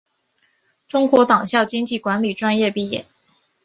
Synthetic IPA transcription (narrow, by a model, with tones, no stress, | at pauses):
ʈ͡ʂʊ˥ŋkwɔ˧˥t̪ɑ˨˩ŋɕjɑ˥˩ʊt͡ɕi˥ŋt͡ɕi˥˩kwa˧˥nli˨˩ʈ͡ʂwa˥njɛ˥˧pi˥˩jɛ̰˨˩˦n